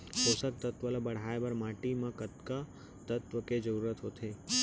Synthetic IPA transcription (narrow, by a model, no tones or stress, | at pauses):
sosək̚t̪ət̪ʋəlabəɽ̤aebəɾmaʈimãkət̪ka | t̪ət̪ʋəked͡ʒəɾuɾət̪ɦot̪ʰe